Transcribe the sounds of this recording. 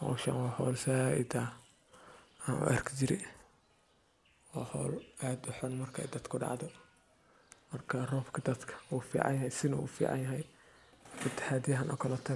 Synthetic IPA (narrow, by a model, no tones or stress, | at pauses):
hɔ̰ːʃa̰nwɑːhɔːlsaːɪ̰d̪a | anṵʔɐrkʰt͡ʃɪɾɪ̰ | ɔːhɔ̰ːlaːd̪ʊħɔnmɐrkʰɐɛ̰jd̪ɐd̪kʰʊɖɑ̰ʕd̪ɔ | mɐrkʰɐrɔːbkʰɐd̪ɐd̪kʰɐ̥uːfḭːʕɑ̰njɐɦɛjsɪnɐṵːfḭːʕɑ̰njɐɦɛj | ɪt̪ʰːɪ̥ħaːd̪ijɐɦɐnʔɐ̰kʰɐlɔːt̪ʰɐ